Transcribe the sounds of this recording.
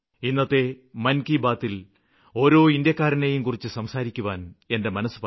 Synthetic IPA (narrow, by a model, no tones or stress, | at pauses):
inːɐt̪ːe̞ | mɐnkibaːt̪ːil | o̞ːɾo̞ːind̪jɐkːaːɾɐnejumkurit͡ɕːɨsɐmsaːɾikʲːuʋaːne̞nde̞mɐnɐsu̥p